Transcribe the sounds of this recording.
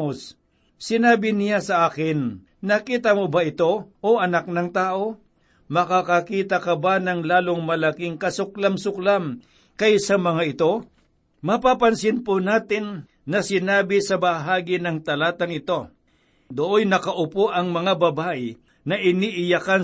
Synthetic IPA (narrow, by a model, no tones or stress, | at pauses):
os | sɪnaːbɪnɪjasɐʔaːkɪnː | ɐkiːt̪ɐmobaʔɪt̪o̞ʔoʔɐnak̚nɐŋt̪aːʔo̞ | mɐkakɐkiːt̪ɐkɐbanɐŋlaːlo̞ŋmɐlɐkɪŋkɐsʊk̚lamsʊklam | kɐjsɐmɐŋaɪt̪o̞ | mɐpapɐnsɪnponaːt̪ɪnː | ɐsɪnaːbɪsɐbɐɦaːɡɪnɐŋt̪ɐlaːt̪ɐŋɪt̪o̞ | d̪oʔojnɐkɐʔʊpoʔɐŋmɐŋabɐbaːʔɪ | nɐʔɪniʔɪjɐkan